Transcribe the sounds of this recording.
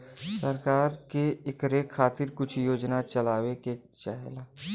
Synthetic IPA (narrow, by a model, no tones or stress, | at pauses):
səɾkaːɾkeekɾeːkʰːaːt̪ɪɾkʊt͡ʃʰjoːd͡ʒnat͡ʃɐlaːweket͡ʃaɦelaː